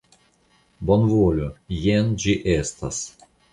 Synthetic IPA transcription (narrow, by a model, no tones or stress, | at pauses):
bonvolʲojend͡ʒiʔest̪as